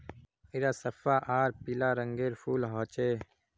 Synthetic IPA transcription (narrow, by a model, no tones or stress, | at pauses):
iɾaːsəfaːʔaːɾpilaːɾəŋɡeːɾfuːlɦaːt͡ʃeː